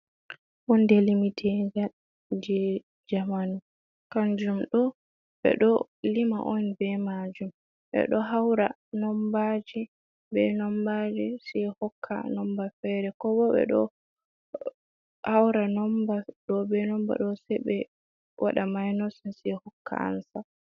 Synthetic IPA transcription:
wɔndɛlimitʰɛɡal | d͡ʒɛ | d͡ʒamanu | kaɲd͡ʒumɗɔ | ɓɛ̰ɗɔlima̰ʔɔnbɛmad͡ʒum | ɓɛ̰ɗɔɦawɾa | nɔmbad͡ʒi | bɛnɔmbad͡ʒisɛhɔkʰːa̰nɔmbafɛɾɛkɔbɔɓɛ̰ɗɔ̰ | hawɾanɔmbaɗɔbɛnɔmba̰ɗɔsɛbɛ | wʔa̰ɗamajnɔsɛnsihɔkʰːa̰a̰nsa

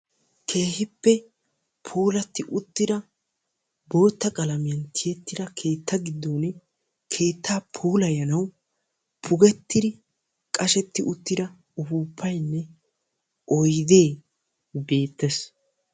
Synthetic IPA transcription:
kʰe̞ːhɪpːɛ | pʰuːlɐt̪ːɪʔʊt̪ːɪd̪ɐ | bo̞ːt̪ːɐkʼɐlɐmɪjɐnt̪ʰɪjɛt̪ːɪd̪ɐkʰe̞ːt̪ːɐɡɪd̪ːoːn | kʰe̞ːt̪ʰːaːpʰuːlɐjɐnɐw | pʰʊɡɛt̪ːɪd̪ɪ | kʼɐʃɛt̪ːɪʔʊt̪ːɪd̪ɐ | ʊfuːpʰːɐjnːɛ | ʔɔjd̪e̞ː | be̞ːt̪ːɛs

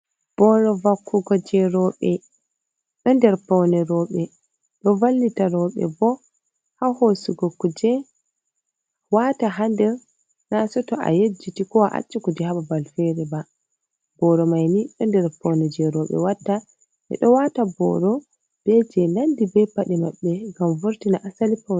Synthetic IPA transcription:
b̥ɔɾɔvakːuɡɔd͡ʒɛɾɔɓɛ | ɗɔndɛɾpɔwnɛɾɔɓɛ | ɗɔvalːitaɾɔɓɛ̰bɔ | hahosuɡɔkːud͡ʒɛ | wataɦandɛɾ | nasɔtɔʔa̰jed͡ʒːitikɔwaʔa̰t͡ʃːɛkud͡ʒɛhaɓabalfɛɾɛba | bɔɾɔmajniɗɔndɛɾpɔwnɛd͡ʒɛɾɔɓɛ̰watːa | ʔɛ̰ɗɔwatabɔ̰ɾɔ | b̥ɛd͡ʒɛnandibɛpːaɗɛmaɓːɛɡamvuɾtinaʔasalipaw

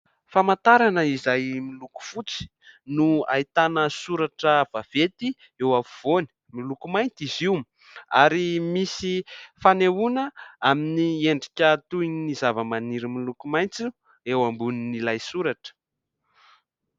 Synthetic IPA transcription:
famant̪aɾanəizajmiluku̥fut͡si̥ | nua̰it̪anəsuɾaʈ͡ʂəv̥av̥et̪i | ewavuv̥oni̥milukumajnt͡siziwm | aɾimisifanewunəaminieɳɖ͡ʐikʲat̪uininizavəmaniɾimilukumajnt͡si | ewambuninilajsuɾaʈ͡ʂə̥

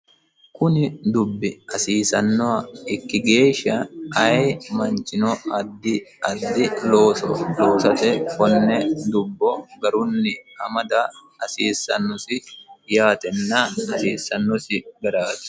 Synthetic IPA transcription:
kʊnɪd̪ʊbːɪɐsiːsɐnːɔɐɪkːɪɡe̞ːʃːɐɐjmɐnt͡ʃːɪnɔɐd̪ːɪɐd̪ːɪloːsɔloːsɐt̪ɛkɔnːɛd̪ʊbːɔɡɐɾʊnːɪɐmɐd̪ɐ | ɐsiːsːɐ̰nːɔsɪjaːt̪ɛnːaːnɐsiːsːɐnːɔsɪɡɐɾaːt̪

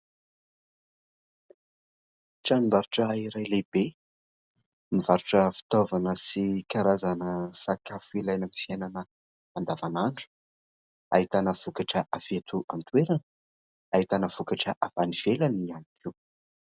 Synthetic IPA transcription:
ʈ͡ʂanimbaɾuʈ͡ʂəiɾajleb̥e | mivaɾuʈ͡ʂəfi̥t̪ovanəsikaɾazanəsakafuilajnəmifiajnanə | and̪avanaɳɖ͡ʐu̥ | a̰it̪anəv̥ukaʈ͡ʂəʔavet̪uʔant̪weɾanə | ait̪anəv̥ukaʈ͡ʂəʔavaniv̥elanianikʰiw

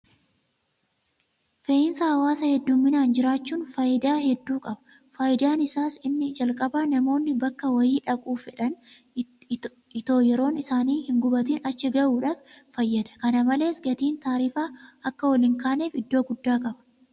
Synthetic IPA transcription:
feːɪnsɐhɐwaːsɐhɛd̪ːuːmːɪnaːnd͡ʒɪɾaːt͡ʃːuːnfɐjɪd̪aːhɛd̪ːuːkʼɐbɐ̥ | fɐjɪd̪aːnɪsaːsɪnːɪd͡ʒɐlkʼɐbaːnɐmo̞ːnːɪbɐkːɐwɐjiːᶑɐkʼuːfɛᶑɐn | ɪt̪o̞ːjɛɾo̞ːnɪsaːniːhɪŋɡʊbɐt̪iːnʔɐt͡ʃːɪɡɐʔuːᶑaːffɐjːɐd̪ɐ̥kɐnɐmɐle̞ːsɡɐt̪iːnt̪aːɾiːfaːɐkːɐwɐlɪŋkaːne̞ːfɪd̪ːo̞ːɡʊd̪ːaːkʼɐbɐ̥

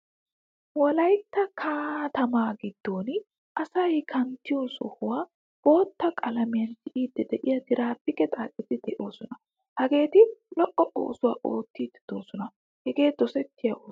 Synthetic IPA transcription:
wɔlɐjt̪ːɐkʰaːt̪ɐmaːɡɪd̪̥ːo̞ːn | ʔɐsɐjkʰɐnt̪ːɪjɔsɔ̰hʊwaː | b̥o̞ːt̪ːɐkʼɐlɐmɪjɐnsɪʔiːd̪ːɛd̪ɛʔɪjɐd̪ɪɾaːpːɪkɛt̪ʼaːkʼːɛt̪ɪd̪̥ɛʔo̞ːsɔnɐ | hɐɡe̞ːt̪ɪlɔʔːɔʔo̰ːsʊwaːʔoːt̪ːiːd̪ɛ̥d̪̥oːsɔnɐ | hɛɡe̞ːd̪ɔsɛt̪ːɪjɐʔoː

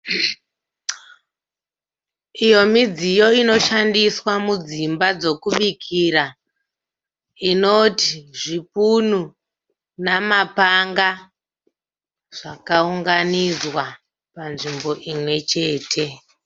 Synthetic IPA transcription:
ijo̞mid͡zijo̞ino̞ʃandiswamud͡zimbad͡zo̞kuɓikʰiɾa | ino̞tiʐipunu | namapaŋɡa | ʐ̥akauŋɡanizwa | panʐimbo̞ʔimwe̞t͡ʃe̞ːtʰe̞

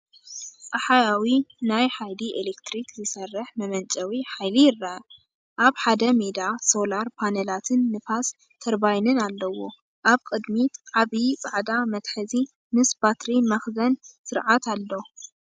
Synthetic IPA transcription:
t͡sʼɐħajawinajħajliʔelekt̪ɾikzɨsɐrːɐħmɐmɐnt͡ʃʼɐwiħajlijɪrːa | ʔaβħad̪ɐmed̪aso̞laɾpʰanelat̪ʰɨnːɨfas | t̪ʰɐɾbajnɨnalːɐwo̞ | ʔaβkʼɨd̪mit̪ʕaβit͡sʼaʕd̪amɐt̪ħɨzi | mɨsbat̪ɾimɐxzɐnsɨɾʕat̪ʰalːo̞

